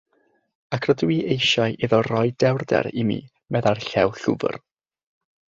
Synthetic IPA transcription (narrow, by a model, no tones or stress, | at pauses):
akʰrədwiːʔejʃaɨʔiðɔrɔjdɛwrdɛ̰ɾimḭː | mɛðarɬɛwɬʊ̰bə̰r